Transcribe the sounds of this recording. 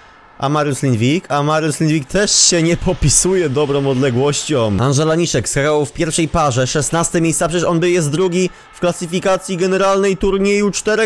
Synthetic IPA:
ʔa̰maɾjuslʲinvʲikʰamaɾjuslʲinvʲik̚t̪ɛʂɕɛɲɛpʰɔpʲisujɛd̪ɔbɾɔ̃w̃ɔd̪lɛɡwɔɕt͡ɕɔ̃anʐɛlaɲiʂɛkskakawfpʲjɛɾfʂɛjpaʐɛʂɛsnast̪ɛmʲejst̪sapʂɛt͡ɕɛʂɔnbɘjɛst̪̚d̪ɾuɡʲi | fklasɨfʲikat̪sʲjiɡɛnɛɾalnɛjt̪uɾɲejut͡ʂt̪ɛɾɛ

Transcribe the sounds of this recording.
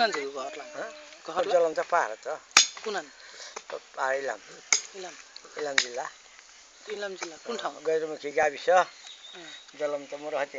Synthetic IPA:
nand͡ziuɡʱʌɾlaɦʌ̃ɡʱʌd͡zʌlʌmt̪ʌpa̰ɾʌt̪ʌkunant̪paɾila̰milamilamd͡zilːa | ilamd͡zilːakunʈʰaw̃ɡʌjɾumukʰiɡabisʌ | d͡zʌlʌmt̪ʌmuɾʌɦʌt̪i

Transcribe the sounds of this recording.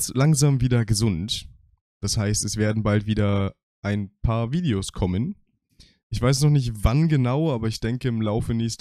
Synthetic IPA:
slaŋzaːmviːdɐɡəzʊnt | d̥ashaɪstɛsv̥eːɐdn̩baltv̥iːdɐ | ʔaɪnpʰaːɐviːdeoskʰɔmən | ʔɪçv̥aɪs̬nɔχnɪçtv̥anɡənaʊʔaːbɐɪçd̥ɛŋkəɪmlaʊfəneːst

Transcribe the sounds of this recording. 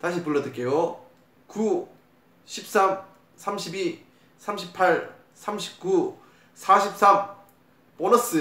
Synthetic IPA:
taɕ̬ʰipuɭːʌdɯk͈ejo | ku | ɕʰip̚s͈am | sʰamɕʰibi | sʰamɕʰipʰaɭ | sʰamɕʰi̥p̚k͈u | sʰaɕʰip̚s͈am | pʌnʌs͈ɯ

